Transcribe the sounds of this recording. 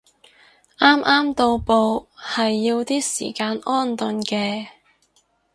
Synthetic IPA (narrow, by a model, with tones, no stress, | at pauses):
ʔaː˥mʔaː˥mt̪o˧wpo˧whɐ˨jːiː˧wt̪iː˥sḭː˨˩kaː˧nʔɔː˥˩nt̪ɵ˨nkɛː˧